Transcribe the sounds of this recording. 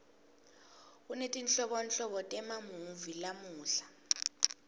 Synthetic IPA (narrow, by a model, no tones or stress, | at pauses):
unetʼinɬɔɓɔnɬɔɓɔtʼɛmamuɱvilamuːɬḁ